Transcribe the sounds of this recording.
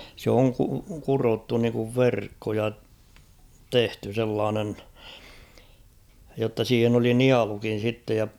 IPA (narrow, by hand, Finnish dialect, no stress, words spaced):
sĕ oŋ ku kurotːu niŋkuʋ ʋerkːo jɑ tehty selːɑːnen jotːɑ siːhen oli niɑlukin̞ sitːej jɑ